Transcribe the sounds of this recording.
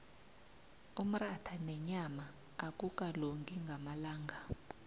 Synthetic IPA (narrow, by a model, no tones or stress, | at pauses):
um̩ratʰanɛɲamaː | k̬ʼukʼaloŋɡʱiŋɡʱamalaːŋɡʱa